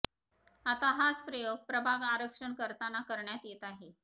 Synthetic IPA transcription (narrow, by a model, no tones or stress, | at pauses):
at̪aɦat͡spɾəjoɡ̚pɾəbʱaɡaɾəkʂəɳkəɾt̪anakəɾɳjat̪jet̪aɦe